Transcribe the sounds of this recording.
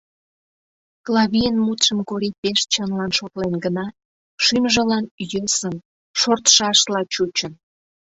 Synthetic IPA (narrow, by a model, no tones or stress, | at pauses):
klɑβijənmut̪ʃəmkoɾipeʃt͡ɕɑnlɑnʃok̪lenɡənɑ | ʃymʒə̆lɑnjøsən | ʃort̪ʃɑʃlɑt͡ɕut͡ɕən